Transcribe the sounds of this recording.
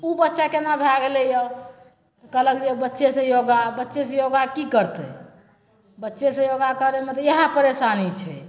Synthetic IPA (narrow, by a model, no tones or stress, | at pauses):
ubətːʃakenabʱaɡelɛjə | t̪kələkd͡ʒebətːʃesẽjoɡabətːʃesẽjoɡakikəɾt̪ḛ | bətːʃesẽjoɡakəɾemet̪ɔjəɦãpəɾesanit͡ʃʰɛ̰